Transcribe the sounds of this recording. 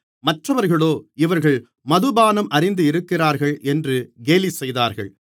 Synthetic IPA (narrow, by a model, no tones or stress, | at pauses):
mɐʈrɐʋɐɾɣɐɭoːɪʋɐɾɣɐɭ | mɐðɯbaːnɐmʔɐɾɪnd̪ɯɪɾɯkːɪraːɾɣɐɭɛndrɯɡeːlisɛjðaːɾɣɐ̰ɭ